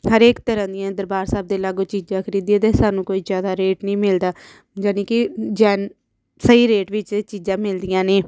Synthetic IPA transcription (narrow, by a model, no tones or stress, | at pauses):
ɦəɾeːkt̪əɾãːd̪ijãːd̪əɾbaːɾsaːb̚d̪eːlaːɡoːt͡ʃiːd͡ʒãːkʰəɾiːd̪iẽːt̪eːsaːnũːkoːiːzjaːd̪aːɾeːʈnĩːmɪld̪aː | d͡ʒaːnĩːkɪd͡ʒɛːn | səiːɾeːʈʋɪt͡ʃt͡ʃiːd͡ʒãːmɪld̪ɪjãːneː